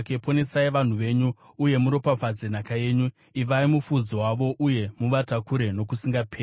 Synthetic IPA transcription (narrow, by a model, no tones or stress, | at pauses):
kepo̞ne̞saiʋan̤uʋe̞ːɲuː | je̞muɾo̞pafad͡zen̤akaje̞ːɲu | iʋaimufud͡zowaʋo̞ʔuje̞muʋatakuɾe̞no̞kusiŋɡapʰeː